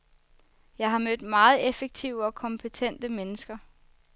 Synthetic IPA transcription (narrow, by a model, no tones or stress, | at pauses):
jɑ̈ɪɦɑ̈mød̥mɑ̈ːð̩ˠefeɡ̥̚t͡sʰiʊ̰əɒ̽kʰɒ̽mpʰət͡sʰen̰d̥əmenəsɡ̥ɐ